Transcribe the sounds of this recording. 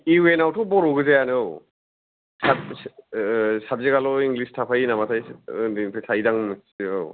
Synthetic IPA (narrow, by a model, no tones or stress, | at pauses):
iwenawtʰɔwbɔɾuɡɯzajanɯɯw | sa | sab̚zeɡalɔiŋɡlistʰapʰajinamasʰajnipʰsʰajdaŋmɯsɯ̰w